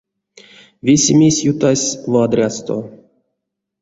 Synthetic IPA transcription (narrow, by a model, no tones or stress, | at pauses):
vʲesʲemʲesʲjut̪asʲvad̪rʲast̪o̰